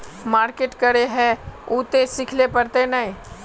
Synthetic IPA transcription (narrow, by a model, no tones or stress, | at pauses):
maːɾkeʈkəɾeɦɛ̃uːt̪esɪkʰlepəɾt̪enəĩ